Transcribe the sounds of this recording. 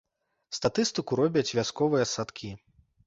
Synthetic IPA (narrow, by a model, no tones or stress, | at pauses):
st̪at̪ɨst̪ɨkuɾɔbʲɐt͡sʲvʲaskɔvɨjɐsat̪kʲi